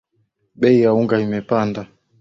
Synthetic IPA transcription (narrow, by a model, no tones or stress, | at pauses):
ɓɛijauŋɡaimɛpanda